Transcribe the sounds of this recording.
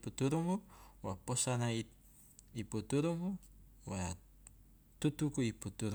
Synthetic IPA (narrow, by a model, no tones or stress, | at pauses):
put̪uɾuŋuwaposanai | iput̪uɾumu | wa | t̪ut̪ukuiput̪uɾ